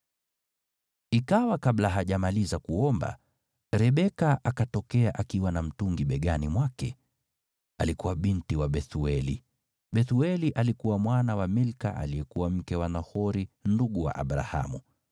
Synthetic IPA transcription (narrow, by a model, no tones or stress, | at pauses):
ikawakaɓlaɦaʄamalizakuɔmba̰ | ɾɛɓɛkaʔakatɔkɛaʔakiwanam̩tuŋɡiɓɛɠanimwakɛ | alikuwaɓintiwaɓɛθuɛlḭ | ɓɛθuɛliʔalikuwamwanawamilka̰ʔa̰lijɛkuwam̩kɛwanahɔɾinduɠuwa̰ʔa̰ɓɾa̰ha̰mu